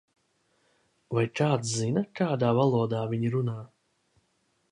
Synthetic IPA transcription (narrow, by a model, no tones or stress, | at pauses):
vajkaːt̪szinɐkaːd̪aːvalˠuɔd̪aːvʲiɲiɾunaː